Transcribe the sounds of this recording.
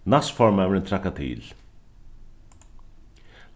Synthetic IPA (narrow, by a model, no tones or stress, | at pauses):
nasfɔɹmɛʋɾɪnt̪ʰɾakːat̪ʰɪ̰ːl